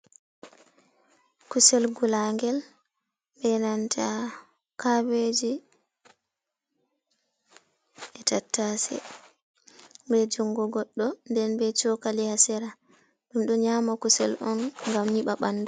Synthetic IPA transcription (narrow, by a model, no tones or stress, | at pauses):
kusɛlɡulaŋɡɛl | bɛnantʰa | kabed͡ʒi | ʔɛtatːasɛ̰ | bɛd͡ʒuŋɡɔɡɔɗːɔndɛnbɛt͡ʃɔkalihasɛɾa | ɗumɗɔɲamakusɛ̰lɔnŋɡamɲiɓaɓanːdɔ